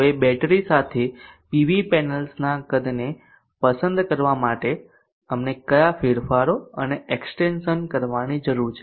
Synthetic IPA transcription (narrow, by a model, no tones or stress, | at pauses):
ebɛʈɾisat̪ʰepiʋipɛnəlsnakəd̪ne | pəsə̃nd̪kəɾʋamaʈe | əmnekəjafiɾfaɾoəneeksʈenʃənkəɾʋanid͡ʒəɾuɾt͡ʃʰe